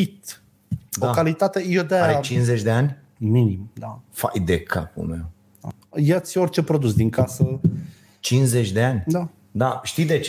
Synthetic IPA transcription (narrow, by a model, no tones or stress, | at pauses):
it̪ | d̪oakalit̪at̪e̞jod̪eaɾeat͡ʃinzet͡ʃʲd̪e̞anʲ | minimd̪afa̰jd̪ekʰapṵlmew̪ | a̰ | jat̪sʲo̞rʲt͡ʃe̞pɾo̞d̪us̬d̪iŋkasə | t͡ʃinzet͡ʃʲd̪e̞anʲd̪a | d̪aʃt̪iwd̪e̞t͡ʃ